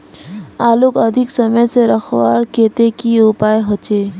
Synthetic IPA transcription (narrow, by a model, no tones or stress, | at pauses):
aːlukɐd̪ʱɪksəməjseɾəxʰwaːɾkeːt̪ekiʊpaːjɦɔt͡ʃeː